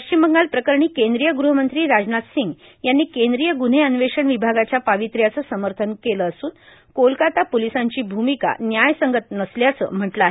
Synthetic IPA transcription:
pəɕt͡ɕimbəŋɡalpɾəkəɾɳiːkend̪ɾijəɡɾuɦəmənt̪ɾiːɾad͡znat̪siŋɡ | janːiːkend̪ɾijəɡun̤eənʋeʂəɳʋibʱaɡat͡ɕjapaʋit̪ɾjat͡səːsəməɾt̪ʰənkeləːsuːn | kolkat̪apolisaɲt͡ɕiːbʱumika̰njajsəŋɡət̪nəsljat͡sə̰m̤əʈləaːɦe

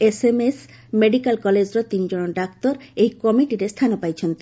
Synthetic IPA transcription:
esemes | meɖikalkɔled͡ʑɾot̪ind͡ʑonoɖak̚t̪oɾejkɔmiʈiɾest̪ʰanopajt͡ɕʰent̪i

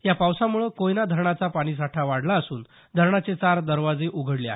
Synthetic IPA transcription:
japawsamuɭəkojnad̪ʱəɾɳat͡sapaɽ̃iːs̬aʈʰaʋaɽlaəsuːn | d̪ʱəɾɳat͡set͡saɾd̪əɾʋad͡zeʔuɡʱəɽlea̰

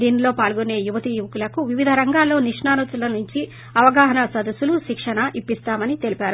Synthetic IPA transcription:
d̪iːnilo̞ːpaːlɡune̞ːjuʋɐt̪ijuʋɐkulɐkuʋiʋid̪ʱɐɾɐŋɡaːlːo̞ːniʂɳaːnut̪ulɐnuɲt͡ʃi | ɐʋɐɡaːɦɐnɐsɐd̪ɐsːuluʃikʂɐnɐʔipːist̪aːmɐnit̪e̞lipaːɾu

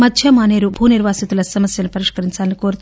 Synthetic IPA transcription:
mɐd̪ʱjɐmaːne̞ːɾubʱuːniɾʋaːsit̪ulɐsɐmɐsjɐnupɐɾiʂkɐɾiɲt͡ʃaːlnikoːɾut̪

